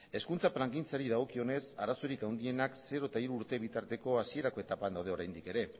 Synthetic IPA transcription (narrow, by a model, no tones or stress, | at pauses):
e̞skunt͡sapɾaŋɡint͡saɾið̞aɣ̞o̞kio̞ne̞saɾasoɾikawnd̪ie̞nakse̞ɾo̞et̪aiɾuːɾt̪e̞βit̪aɾt̪e̞ko̞asie̞ɾako̞e̞t̪apand̪awð̞eo̞ɾajnd̪ike̞ɾe̞